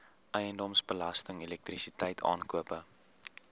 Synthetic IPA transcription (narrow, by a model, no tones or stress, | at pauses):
ʔœjəndɔmsbəlɐstəŋɛlɛk̚trisitɛjtʰɑ̰ːnkuəpə